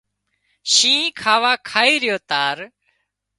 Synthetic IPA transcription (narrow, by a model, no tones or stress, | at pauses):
ʃĩːkʰaːʋaːkʰaːiːɾɪjoːt̪aːɾ